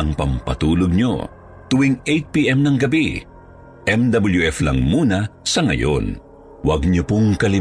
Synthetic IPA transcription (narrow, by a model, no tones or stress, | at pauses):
ɐŋpɐmpɐt̪uːloɡ̚ɲo̰ | t̪ʊwiŋejt̪̚piʔɛmnɐŋɡɐbi | ʔɛmd̪ɐbɐljuʔɛflɐ̰ŋmuːnɐsɐŋɐ̰jo̰n | wɐɡ̚ɲopʊŋkɐlɪ